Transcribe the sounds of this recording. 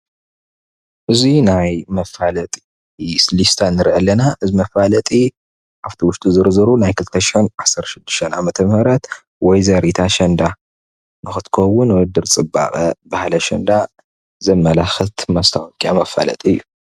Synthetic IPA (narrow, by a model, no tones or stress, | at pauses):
ʔɨzinajmɐfalɐt̪ʼi̥ | slist̪ʰanːɨɾʕɐlːɐnaʔɨzimɐfalɐt̪ʼi | ʔaft̪ʰiwʊʃt̪ʼuzɨɾzɨɾunajkʰɨlt̪ʰɐʃxɛnʔasɐɾt̪ʃɪd̪ːɨʃt̪ʰɐnʔa̰mɐt̪ʰɐmhɐɾɐt̪ | wɔjzɐɾit̪ʰaʃɐnd̪a | nɨxɨt̪ʰkʰɐwʊnwɔd̪ɨɾt͡sʼɨbːa̰xʼɐbahlɐʃɐnd̪a | zɐmːɐlaxɨt̪mast̪ʰawɔkʼiamɐfa̰lɐ̰t̪ʼiɨjːu